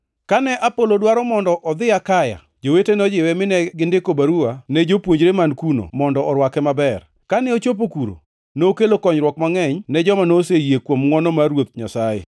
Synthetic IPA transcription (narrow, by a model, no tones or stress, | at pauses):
kanɛʔapolodwaɾɔmɔndɔʔɔd̪ɪakaja̰ | d͡ʒowetenɔd͡ʒɪwɛmɪnɛɡɪndɪkobaɾuanɛd͡ʒopwoɲd͡ʒɾemankuno̰mɔndɔʔɔɾwakɛmabɛr | kanɛot͡ʃop̬okuɾo̰ | nookelokɔɲɾwɔkmaŋɛɲnɛd͡ʒɔmanosejekwomŋɔnɔmaɾwot̪̚ɲa̰sajḛ